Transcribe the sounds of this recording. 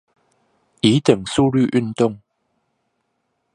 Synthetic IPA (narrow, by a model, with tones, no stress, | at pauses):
i˨˦t̪ə˨˩ŋsu˥˧ly˥˧ʔy˥˧˨nt̪ʊ˥˨ŋ